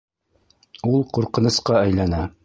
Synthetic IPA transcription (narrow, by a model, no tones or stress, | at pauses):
ulˠquɾqɤ̆nɤ̆sqɑæjlænæ